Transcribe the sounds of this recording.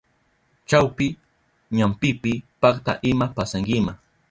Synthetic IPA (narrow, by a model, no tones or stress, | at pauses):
t͡ʃawpɪ | ɲampɪpɪpakt̪a̰ʔɪmapasaŋɡɪma